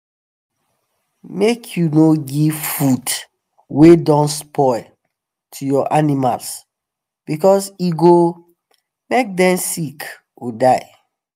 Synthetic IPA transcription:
mekʰjunoɡivfud | wedɔ̃nspʰɔɪl | tʰujɔʔanimals | b̥ikɔsiɡo | mek̚dɛ̃msik | odaɪ

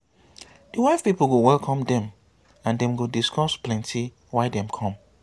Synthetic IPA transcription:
d̥iwaɪfpipl̩ɡowɛlkʰɔ̃mdɛ̃m | ãndɛ̃mɡodiskʰɔsplɛ̃ntʰi | waɪdɛ̃mkʰɔ̃m

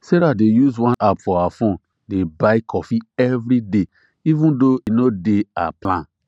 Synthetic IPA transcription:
sɛɾadejuzwãnʔapfɔawafõn | debaɪkʰɔfiɛvɾide | ivũndoinodea̰plãn

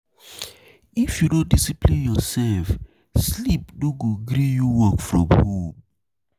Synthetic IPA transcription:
ifjudõndisiplĩnjɔsɛlf | slip̚doɡoɡɾijuwɔkfɹɔ̃mhom

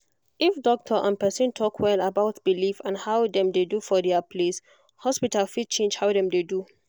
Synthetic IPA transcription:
ʔifdɔk̚tʰəʔãnpɛsũntʰɔkʰwɛlabaʊtb̥ilifãnhawdɛ̃mdedufɔdɛapʰles | hɔspitalfid̚t͡ʃʰẽnd͡ʒhawdɛ̃mdedu

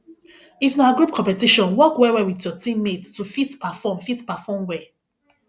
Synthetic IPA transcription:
ifnawaɡɹup̚kʰɔ̃pɛtiʃɔ̃nwɔkwɛwɛwitjɔtĩmːedtufitpafɔmfitpafɔmwɛ

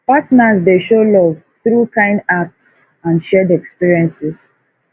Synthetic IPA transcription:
patnazdeʃolɔv | θɾukãɪ̃ndak̚ts | ãnʃɛdɛkspiɹiɛ̃nsɪs

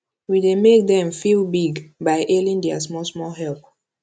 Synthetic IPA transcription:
widemek̚ðɛ̃mfilbiɡbaɪʔelĩndɛəs̬mɔlsmɔlɦɛlp

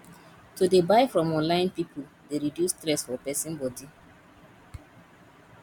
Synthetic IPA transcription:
tudebaɪfɹɔ̃mɔ̃nlãɪ̃npipul | deɹidjustɹɛsfɔpɛsĩnbɔdi

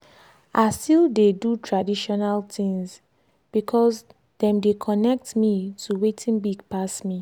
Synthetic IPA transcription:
ʔaɪstildedutʰɹadiʃɔnaltĩŋs | b̥ikʰɔs | dɛ̃mdekʰɔnɛk̚tmitʰuwetʰĩnbiɡpasmi

